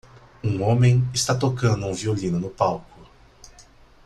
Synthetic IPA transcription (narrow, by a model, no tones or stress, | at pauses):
ũõmẽj̃ɪst̪at̪okɐ̃nd̪ʊũviolĩnʊnʊpawkʊ